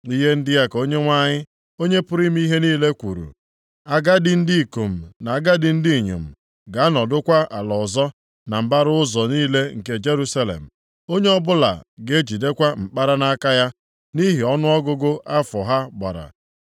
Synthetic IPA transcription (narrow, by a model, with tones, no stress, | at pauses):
i˦ɦe˦n̩˦dɪ˦ja˦ko˦ɲe˦ŋʷa˦ɲɪ˦ | o˦ɲe˦pʊ˦ɾi˦m˦i˦ɦe˦niː˦le˦kʷu˨ɾṵ˨ | a˦ɡa˦dɪ˦n̩˦di˦i˨ko˨m̩˨na˨a˦ɡa˦dɪ˦n̩˦di˦˨ɲo̰˨m̩˨ | ɡa˨a˦nɔ˨dʊ˦kʷa˦a˨lɔ˨zɔ˦ | na˨m̩˨ba˦ɾʊ˦ʊ˦zɔ˨niː˦le˦ŋ̩˨ke˦d͡ʒe˦ɾu˦sa˦lḛ˨m̩˨ | o˦ɲe˦ɔ˦bʊ˦la̰˨ɡe˦d͡ʒi˨de˦kʷa˦m̩˨k͡pa˦ɾa˦na˦ka˦ja˦ | ni˦ɦi˨ɔ˦nʊ˦ɔ˦ɡʊ˦ɡʊ˦ʔa˦fɔ˨ɦa˦ɡ͡ba̰˨ɾa̰˨